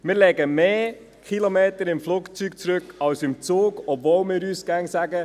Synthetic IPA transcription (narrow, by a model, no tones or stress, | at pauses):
mɪːɾlɛɡəmeː | kʰχilomeːtəɾɪmfluːkt͡sykt͡sɾøkɑwsɪmt͡soːɡɔbvoːlmɪːɾyːsɡ̥æŋsæɡə